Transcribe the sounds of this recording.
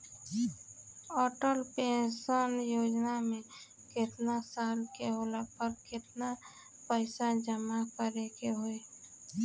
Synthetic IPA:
ɔːʈəlpẽsanjoːd͡ʒnamẽ | kɪt̪nasaːlkeɦolapəɾkɪt̪na | pəɪsad͡ʒəmakəɾekeɦoe

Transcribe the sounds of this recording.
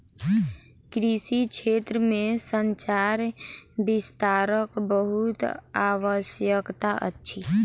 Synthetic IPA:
kɾisit͡ʃʰet̪ɾəmesənt͡ʃaɾbist̪aɾəkbəɦut̪aʋəsjəkt̪aʔə̰tːt͡ʃʰi

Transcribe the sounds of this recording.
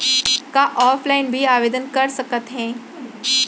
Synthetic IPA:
kaʔɔːpʰlaɪnbʱiaːʋeːd̪ənkɐɾsɐkət̪ɦɛ̃ː

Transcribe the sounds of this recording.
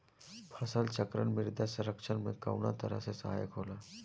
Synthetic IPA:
pʰəsəlt͡ɕəkɾə̰ɳmiɾd̪jasəɾəkʂənmeka̰wna̰t̪əɾa̰sesaɦajəkɦola

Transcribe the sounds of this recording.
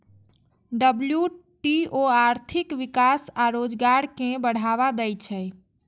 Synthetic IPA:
ɖəblju | ʈioaɾt̪ʰikʋikasaɾod͡ʒɡaɾkẽbəɽ̤aβad̪ɛjt͡ʃʰɛ

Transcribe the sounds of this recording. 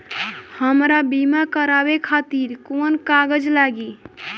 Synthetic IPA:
həmɾabimakəɾabekʰat̪iɾkonkaɡəd͡ʒlaɡi

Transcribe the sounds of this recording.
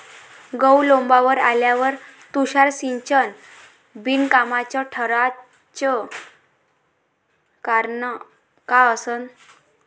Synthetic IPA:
ɡəwlõmbaʋəɾa̰ljaʋəɾt̪uɕaɾsiɲt͡ɕən | binkamat͡ɕaʈʰəɾa | t͡ɕə | kaɾnə | kaəsən

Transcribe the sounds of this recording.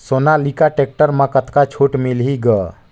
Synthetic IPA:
sonalikaʈek̚ʈəɾmə̃kət̪kat͡ʃʰoʈmilɦiɡə

